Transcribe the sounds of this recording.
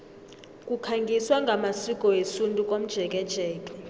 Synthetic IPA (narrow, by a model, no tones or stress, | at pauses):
kʼukʰaŋɡʱiswaŋɡʱamasikʼɔesuntʼukʼom̩d̥ʒ̥ʱɛkʼɛd̥ʒ̥ʱɛːkʼɛ̥